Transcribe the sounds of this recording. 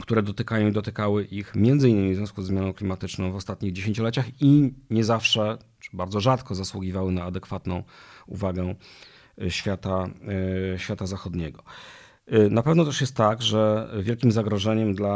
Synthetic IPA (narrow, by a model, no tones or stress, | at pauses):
kt̪uɾɛd̪ɔt̪ɘkajɔ̃id̪ɔt̪ɘkawɘʔixmʲjɛnd̪zɘinːɘmʲivzvʲjɔ̃skuzɛːmʲjanɔ̃w̃klʲimat̪ɘt͡ʂnɔ̃w̃vɔst̪at̪ɲiɣd͡ʑeɕeɲt͡ɕɔlɛt͡ɕaxiɲɛzafʂɛ | t͡ʂbaɾd̪zɔʐat̪kɔzaswuɡʲivawɘnaːd̪ɛkfat̪nɔ̃w̃ṵvaɡɛ | ɕfʲjat̪a | ɕfʲjat̪azaxɔd̪ɲɛɡɔ | napɛvnɔt̪ɛʂjɛst̪ːaɡʐɛvʲjɛlkʲimzaɡɾɔʐɛɲɛmd̪la